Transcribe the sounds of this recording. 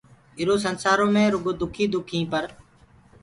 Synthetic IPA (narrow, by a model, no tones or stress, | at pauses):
ɪɾoːs̬ənsaːɾõːmẽːɾʊɡoːd̪ʊkʰiːd̪ʊkʰĩːpəɾ